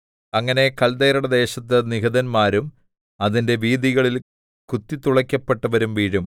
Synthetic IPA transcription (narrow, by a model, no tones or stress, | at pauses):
ɐŋːɐne̞kɐld̪ejɾɐɽɐd̪e̞ːɕɐt̪ːɐniɣɐðɐnmaːɾum | ɐðinde̞ʋiːðiɣɐɭil | kut̪ːit̪uɭɐkʲːɐpːe̞ʈːɐʋɐɾumʋiːɻum